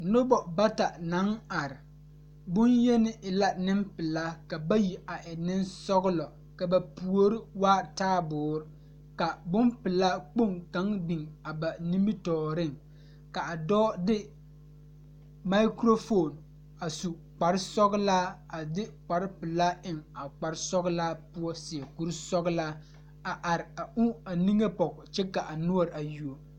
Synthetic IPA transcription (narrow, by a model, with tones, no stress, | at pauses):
nʊ˦bɔ˨ba˦ta˨na˨˦ŋa˨ɾɪ˨ | bʊ˦njɛ˦nɪ˦ʔɪ˨la˦nɪ˦mpɪ˨la˦ka˨ba˦ji˨a˨ʔɪ˨nɪ˦nsɔ˦ɣʊ˦lɔ˨ | ka˨ba˨pu˨o˦ɾɪ˦waː˦taː˦bʊː˨˦ɾɪ˦ | ka˨bʊ˦mpɪ˨la˦k͡po˦˨ŋka˨˦ŋbi˨ŋa˨ba˨ni˦mbi˦tɔː˨ɾɪ˦˨ŋ | ka˨a˨dɔː˦dɪ˦ | ma˦ɪ˦kɾo˦fo˦˨n | a˨su˨ | k͡pa˨ɾɪ˦sɔ˦ɣlaː˦a˨dɪ˦k͡pa˨ɾɪ˦pɪ˨la˦ɪ˨ŋa˨k͡pa˨ɾɪ˦sɔ˦ɣlaː˦pʊ˦ɔ˦sɪ˨ɛ˨ku˦ɾsɔ˦ɡla˦ | a˨ʔa˨ɾɪ˨a˨ʊ˦a˨ni˦ŋe˦pɔ˨kt͡ʃɛ˦ka˨ʔa˨nʊ˦ɔ˦˨ɾa˨ju˨o˨